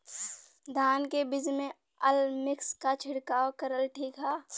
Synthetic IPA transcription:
d̪ʱaːnkebɪd͡ʒmẽ | əlmɪkskat͡ʃʰɪɽkaːokəɾəlʈʰiːkɦaː

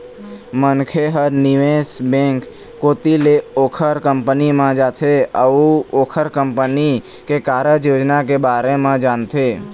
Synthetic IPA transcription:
mənkʰeɦəɾnɪʋeːsbẽːŋkː | oːt̪ileoːkʰəɾkə̃mpənimãd͡ʒaːt̪ʰeəuoːkʰəɾkə̃mpəni | kekaːɾəjoːd͡ʒnakebaːɾemãd͡ʒaːnt̪ʰeː

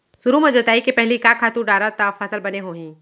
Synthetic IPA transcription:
sʊɾumẽd͡ʒɐt̪aːikepɛɦlikakʰaːt̪uɾɖaːɾat̪afʰɐsəlbɐneɦoːɦĩː

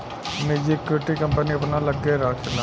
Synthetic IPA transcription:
meːd͡ʒikːʊʈiːkəmpəniɐpnaːləɡːeɾaːkʰɪna

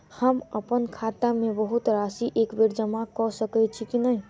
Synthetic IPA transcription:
həməpənkʰat̪amebəɦut̪ɾasiʔekbeɾd͡ʒəmakɔsəkɛt̪̚t͡ʃʰikinəj

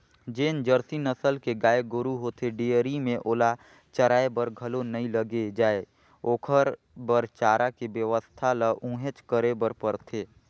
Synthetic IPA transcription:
d͡ʒeːnd͡ʒəɾsinəsəlkeɡaːeɡʊɾuɦoːt̪ʰeɖejəɾimẽʔoːla | t͡ʃəɾaːebəɾɡʱəlonəĩləɡed͡ʒaːe | oːkʰəɾ | bəɾt͡ʃaːɾakebjəʋəst̪ʰaləʔũːɦet͡ʃkəɾebəɾpəɾt̪ʰeː

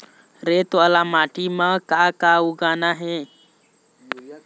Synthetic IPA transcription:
ɾet̪ʋalamaʈʰimakakauɡanaɦe

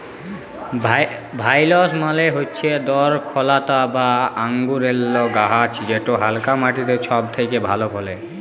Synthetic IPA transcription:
bʱajlosmaleɦotːɕʰed̪ɔɾkʰɔlat̪abaaŋɡuɾelːoɡaɦat͡ɕʰid͡ʑeʈoɦalkamaʈit̪et͡ɕʰɔb̚t̪ʰekebʱalokʰole

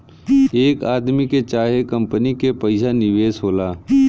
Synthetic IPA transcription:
eːkaːd̪miket͡ʃaːɦekə̃mpənikepɐɪsanɪʋeːsɦoːlaː

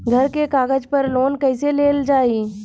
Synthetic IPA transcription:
ɡʱɐɾkekaːɡəd͡ʒpɐɾloːnkɛɪseleːld͡ʒaːiː

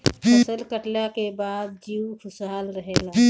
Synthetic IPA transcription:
əsəlkəʈljakebaːd̪̚d͡ʒiːwkʰʊsaːlɾəɦeːla

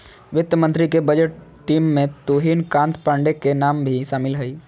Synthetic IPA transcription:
ʋɪt̪jəmə̃nt̪ɾikebəd͡ʒəʈː | ʈːiːmːẽt̪uːɦiːnkãːnt̪pãːɳɖekenaːmbʱiʃaːmɪlɦɐiː

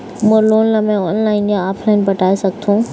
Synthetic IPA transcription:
mõloːnləmẽɔːnlaːɪnd͡ʑaaːpʰlaːɪnpɐʈaːesɐɡ̚t̪ʰũː

